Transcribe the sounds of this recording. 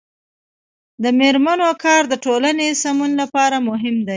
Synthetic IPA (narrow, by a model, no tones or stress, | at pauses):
d̪əmeɾmanokɑɾd̪əʈolanesamunlapɑɾamʊɦɪmd̪a